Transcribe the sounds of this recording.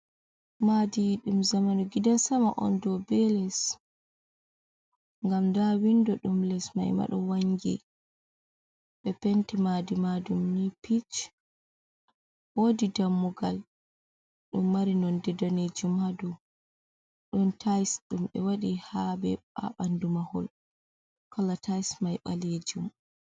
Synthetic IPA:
madiɗumzamanuɡidansamaʔɔ̰ndɔbɛlɛs | ŋɡamdawindɔɗumlɛsma̰jma̰ɗɔwaŋɡḭ | ɓɛpɛntimadimadumnipit͡ʃ | wodidamːuɡal | ɗumːaɾinɔndɛdaned͡ʒumhadu | ɗɔntʰajsɗumɓɛwaɗihabɛ̰ɓa̰ɓandumahɔ̰l | kalatʰajsmajɓa̰led͡ʒum

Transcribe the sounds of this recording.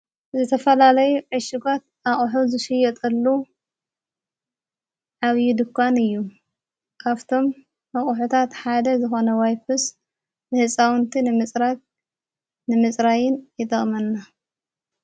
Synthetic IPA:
zɨt̪ʰɐfɐlalɐjuʕɨʃɪɡat̪ | aχʼħuzɨʃɨjɛt̪ʼɐlːu | ʕaβjid̪ɨkʰʷːanɨjːu | kʰaβt̪ʰo̞mː | ɐχʼħut̪ʰat̪ħad̪ɐzɨxo̞nɐwajpʰɨs | nɨhɨsʼawnt̪ʰinɨmɨt͡sʼɾat̪̚ | nɨmɨt͡sʼɾajɪnjɪt̪ʼɐχʼmɐnːa

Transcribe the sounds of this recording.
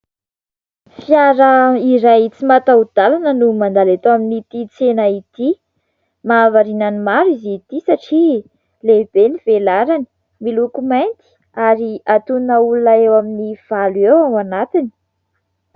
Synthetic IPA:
fjaɾəiɾajt͡simat̪aud̪̥alanənumand̪alet̪oaminit̪it͡senəit̪i | maːvaɾinanimaɾizit̪isaʈ͡ʂi | leb̥enivelaɾani̥ | milukumajnt̪i̥ | aɾiat̪unnəulunaewaminiv̥aluewawanat̪ini̥

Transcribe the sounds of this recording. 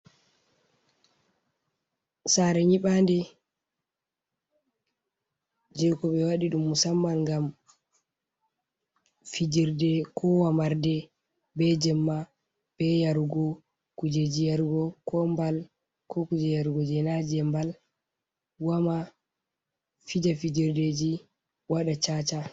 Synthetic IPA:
saɾɛɲiɓandɛ | d͡ʒɛkɔɓɛwaɗiɗumːusamːanŋɡam | fid͡ʒiɾdɛkʰɔwamaɾdɛ | bɛd͡ʒɛmːa | b̥ɛjaɾɡɔ | kud͡ʒed͡ʒijaɾɡɔkɔmbal | kɔkud͡ʒɛjaɾɡɔd͡ʒɛnad͡ʒɛmbal | wama | fid͡ʒafid͡ʒiɾded͡ʒi | waɗat͡ʃat͡ʃa

